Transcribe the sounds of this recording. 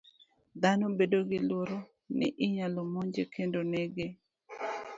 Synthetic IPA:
d̪anobedoɡɪlwoɾo | nɪ̰ʔɪɲalomoɲd͡ʒekʰendoneɡe

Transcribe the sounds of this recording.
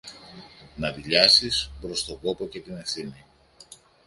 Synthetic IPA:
nɐðiʎɐsispɾo̞st̪o̞ko̞po̞ce̞t̪ine̞fθini

